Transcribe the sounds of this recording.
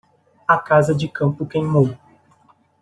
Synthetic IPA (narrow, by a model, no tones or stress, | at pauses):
ɐkazɐd͡ʒɪkɐ̃mpʊkẽj̃mow